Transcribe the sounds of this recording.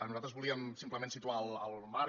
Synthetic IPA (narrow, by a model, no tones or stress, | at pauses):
ənuzat̪ɾəzβulˠiəmsimpləmensit̪uaəlˠəlˠmaɾ